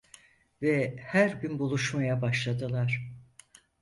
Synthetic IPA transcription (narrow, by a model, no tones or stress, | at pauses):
vɛhæɾbynbulˠuʃmajabaʃlˠad̪ɯlˠaɾ̥